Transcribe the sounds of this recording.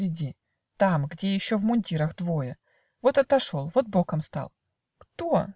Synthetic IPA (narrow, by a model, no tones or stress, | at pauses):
ɾʲɪdʲi | t̪amɡdʲe̞jɪɕːovmʊnʲdʲiɾəxd̪vo̞jə | vo̞t̪ɐt̪ɐʂo̞lˠvo̞t̪̚bo̞kəmst̪a̰lˠ | kt̪o